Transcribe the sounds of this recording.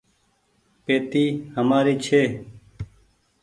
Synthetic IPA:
peːt̪iːhəmaːɾiːt͡ʃʰeː

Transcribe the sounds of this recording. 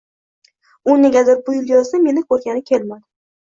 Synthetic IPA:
ʊneɡʲazɪɾ̚bʊjɪlˠjɒzd̪ame̞nɪkʰɵɾɡʲanɪkʲʰelmad̪ɪ

